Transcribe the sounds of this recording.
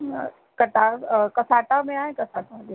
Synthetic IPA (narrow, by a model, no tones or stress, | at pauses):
kɐʈ̪aɾkɐsaːʈamẽaːɦẽkɐsaːʈame